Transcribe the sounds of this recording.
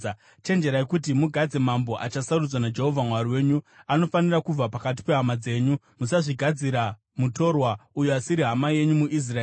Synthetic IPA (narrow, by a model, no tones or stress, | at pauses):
t͡ʃe̞nd͡ʒe̞ɾajekut̬imuɡʱad͡ze̞mambo̞ʔat͡ʃasarud͡zwanad͡ʒe̞ɦo̞vʱamwariwe̞ːɲuano̞fanirakub͡vapakat̬i̥pe̞ɦamad͡ze̞ːɲu | musaʐiɡʱad͡ziɾa | muto̞rwaujuasiɾiɦamaje̞ɲumuʔis̬raeː